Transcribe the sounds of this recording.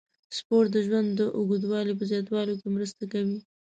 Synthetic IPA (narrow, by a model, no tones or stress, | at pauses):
spoɾʈ̪̚d̪əʒwand̪ːəʔʊɡud̪wɑlip̬əzjɑt̪wɑlokemɾəst̪akawi